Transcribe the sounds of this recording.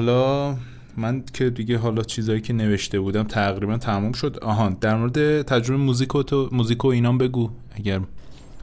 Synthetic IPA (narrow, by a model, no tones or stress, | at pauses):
hɒlɒː | mæncʰe̞d̪iɟeɦɒːlɒːt͡ʃʰiːzɒːjiːcʰe̞ne̞ve̞ʃt̪e̞buːd̪æmt̪ʰæɣɾibænt̪ʰæmuːmʃo̞d̪ɒ̰ːɦɒːnd̪̥æɾmoɾed̪e̞t̪ʰæd͡ʒɾo̞bemuzikʰomuːziːkʰoiːnɒːmbe̞ɡuː | æɟæɾ